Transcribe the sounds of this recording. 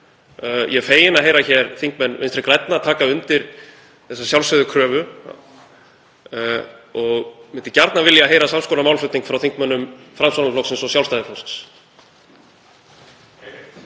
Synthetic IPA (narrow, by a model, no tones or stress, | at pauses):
jʔɛfeːjɪnaɦejɾaçɛɾθiŋkmɛnːʔɪnst̪ɾɪkɾɛjt̪̚naat̪ʰaːkaʏnt̪ɪɾ | θɛsːasjawlsœðʏkʰɾœːvʏ | ɔɣmɪnt̪ɪcaɾt̪navɪljaɦeːjɾasamskoːnamaːwlflʏt̪niŋkfɾawθiŋkmœnːʏmfɾamsanaflɔwksɛmsɔsjawlst̪ajðɪfowst̪s